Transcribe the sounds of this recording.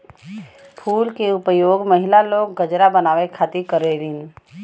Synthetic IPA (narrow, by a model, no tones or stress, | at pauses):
pʰuːlkeʊpəjoːɡməɦɪlaloːɡːəd͡ʒɾabənaːʋekʰaːt̪ikəɾeɾin